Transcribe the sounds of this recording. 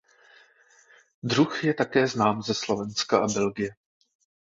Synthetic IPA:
d̪ruxjɛt̪akɛːznaːmzɛslo̞vɛnskaʔabɛlɡɪjɛ

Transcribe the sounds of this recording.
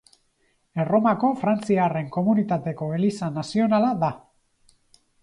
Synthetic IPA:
ero̞mako̞fɾant͡siare̞ŋko̞munit̪at̪e̞ko̞e̞lisanasio̞nalaða

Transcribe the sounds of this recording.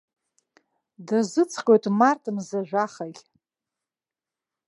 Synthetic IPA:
dazɨt͡sʰqʲʼojtʼmartʰʼɨmzaʒᶣʷaχaɡʲʼ

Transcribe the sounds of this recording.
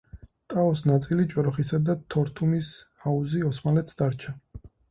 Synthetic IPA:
t̪ʼaɔs̬nat̪sʼilit͡ʃʼɔɾɔχisad̪at̪ʰɔɾt̪ʰumis | auziɔsmalɛt̪sd̪aɾt͡ʃʰa

